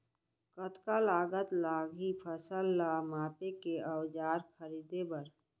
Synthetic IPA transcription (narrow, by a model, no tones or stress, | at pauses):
kət̪kalaːɡət̪laɡɦipʰəsəlːamaːpekeəwd͡ʒaːɾkʰəɾid̪ebəɾ